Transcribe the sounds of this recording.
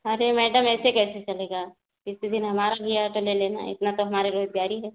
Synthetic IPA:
ɐɾemɛːɖəmɛːsekɛːset͡ʃɐleːɡaː | d͡ʒɪsid̪ɪnɦɐmaːɾabʱiaːʈoleleːna̰ɪ̰t̪nat̪oɦɐmaːɾeɾoːzɡaːɾiɦɛ̃ː

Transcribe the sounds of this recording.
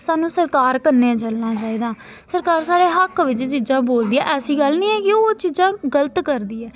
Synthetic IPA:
saːnũːsəɾkaːɾkəɾnːeːt͡ʃəlnaːt͡ʃaːiːd̪ãː | səɾkaːɾsaːɽeːɦəkːʋɪt͡ʃt͡ʃiːzãːboːld̪iːɛ̰ːʔɛːsiːɡəlnĩːɛːkɪoːt͡ʃiːd͡ʒãːɡələt̪kəɾd̪iːɛː

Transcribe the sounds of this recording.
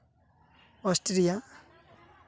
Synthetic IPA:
ɔsʈɾija

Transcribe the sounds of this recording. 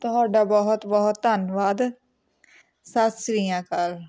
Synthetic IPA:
t̪ʊɦaːɖaːbɔɦʊt̪bɔɦʊt̪ːənʋaːd̪ | saːt̪sɾijãːkəɾ

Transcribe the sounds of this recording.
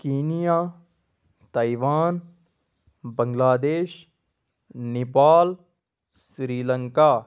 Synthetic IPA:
kiːnijaː | t̪aiʋaːn | bə̃ŋɡlaːd̪eːʃ | nɪpaːl | sɾiːləŋkaː

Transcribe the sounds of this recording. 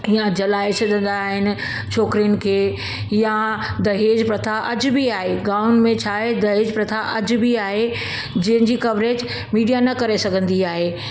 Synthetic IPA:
ijãd͡ʑɐlaːɪsɐd̪ʱə̃nd̪aɦɪnɪ̆ | t͡ɕʰoːkɾijənɪ̆kʰeː | jad̪ɐɦeːd͡ʑpɾɐt̪ʰaʔɐd͡ʑʊbiaːɦeɡaːʊnmẽt͡ɕʰaːed̪ɐɦeːd͡ʑpɾɐt̪ʰaʔɐd͡ʑʊbiaːɦe | d͡ʑɐ̃ɦɪ̃nd͡ʑikɐbɾeːd͡ʑ | miːɖijanɐkɐɾesɐɡʱə̃nd̪iaːɦeː

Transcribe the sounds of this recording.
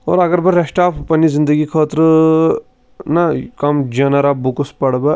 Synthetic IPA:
o̰ːɾɐɡɐɾbɐɾɾɐʂʈaːpʰpɐnizind̪əɡikʰoːt̪ɾɨ | nɐkɐmd͡ʒɐnɐɾabukuspɐɽbɐ

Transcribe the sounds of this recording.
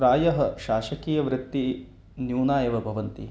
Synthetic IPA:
ɾaːjɐɦɐʃaːʃɐkiːjɐʋɾɪt̪ːi | njuːnaːjɐʋɐbʱɐʋɐnt̪i

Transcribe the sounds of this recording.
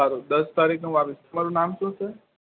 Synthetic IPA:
aɾud̪əst̪aɾikʰnũʋapɪst̪əmaɾunamʃũsʰe

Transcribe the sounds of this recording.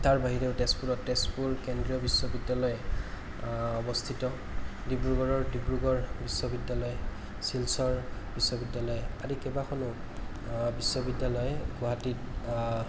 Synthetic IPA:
taɹbaɦiɹeʊtespuɹɔttespuɹkendɹijɔbiswɔbidːalɔjɛ | ɔbɔst̪ʰitɔ | dibɹuɡɔɹɔɹdibɹuɡɔɹbisːɔbidːalɔjɛ | silsɔɹbisːɔbidːalɔjɛaɹikɛbakʰɔnʊ | bisːɔbidːalɔjɛɡɔɦatit

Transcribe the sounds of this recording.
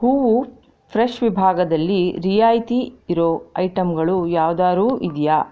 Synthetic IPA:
huːʋu | pʰɾeʂʋibʱaːɡɐd̪ɐlːiɾijaːjt̪iːɾoɐjʈɐmɡɐɭujaːʋd̪aːɾuːʔid̪jaː

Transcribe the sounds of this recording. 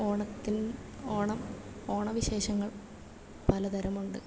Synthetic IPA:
oːɳɐt̪ːinoːɳɐm | o̞ːɳɐʋiɕe̞ːɕɐŋːɐɭ | pɐlɐd̪ɐɾɐmuɳɖɨ

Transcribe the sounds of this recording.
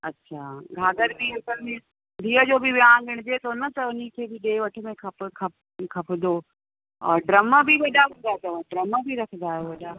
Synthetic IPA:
ɐtːɕʰaːɡʱaːd̪əɾbiɐsəlmẽ | b̪ʱiːəd͡ʑoːbɪʋjãːɡɪɽ̃d͡ʑeːt̪ʰonɐt̪ɐʊnikʰeːbɪɗeːʋɐʈʰə̆mẽkʰɐpkʰɐ | kʰɐpʰd̪oː | ɔ̰ːɾɖɾɐməbʱiʋɐɗaɦũːn̆d̪aet̪ɐʋəɖɾɐməbʱiɾɐkʰə̃nd̪aːɦjeʋɐɗaː

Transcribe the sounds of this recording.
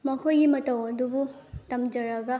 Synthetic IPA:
mɐkʰojɡimɐtɐwɐdubutɐmd͡ʒɐɾɐɡɐ

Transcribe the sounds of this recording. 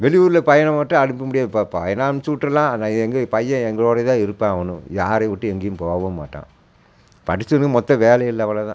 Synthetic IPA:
ʋɛɭɪʋuːɾɯlɐpɐjɐɳɐ̃mɐːʈːɯ̃ɐɽɪmpːɐmʊɽɪjaːðɯppɐjɐnaːnsuːʈːɐlãːnãːɛŋɡɐpɐjːɐ̃ɛŋɡɐɭoːɽɐt̪ãːɪɾɯpːãːɐʋɐnɯ̰̃jaːɾeʋɪʈːɯɛŋɡɪjʊmpoːʋɐma̰ːʈːã̰ː | pɐɽɪt͡ʃːɯnkːɯmɔt̪ːɐ̃ʋeːlɐjɪlːɐʋɐlɐt̪ã̰

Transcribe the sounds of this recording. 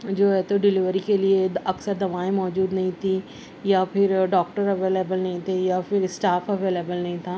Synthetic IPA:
d͡ʒoːɦɛːt̪oɖɪlɪʋəɾikelieɐksəɾd̪ɐʋaːẽmɔːd͡ʒuːd̪nɐɦĩt̪ʰiː | jaːpʰɪɾɖɔːkʈəɾəʋeːleːbəlnɐɦĩt̪ʰejaːpʰɪɾɪsʈaːpʰəʋeːleːbəlnɐĩt̪ʰaː

